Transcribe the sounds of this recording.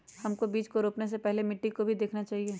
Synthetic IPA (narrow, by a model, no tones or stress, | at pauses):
hɐmkobiːt͡ʃkoɾoːpnes̬epɛɦlemɪʈːikobʱid̪eːkʰnat͡ʃaːɦieː